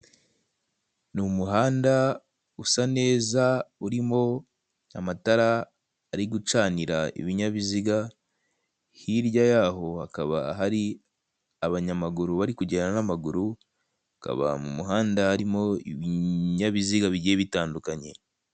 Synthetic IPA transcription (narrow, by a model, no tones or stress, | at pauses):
numuɦaːnda | usane̞ːzauɾimo̞ | amataɾaː | ɾiɡut͡ʃaːniɾaḭβiɲaβiziɡa | hiɾjajaɦo̞hakaβa̰ɦaɾi | aβaɲamaɡuɾuβaɾikuɟenanamaɡuɾu | aka̰βa̰mṵmuɦaːndaaɾimo̞ḭβiɲaβiziɡaβiɟieβitaːndukaɲe̞̰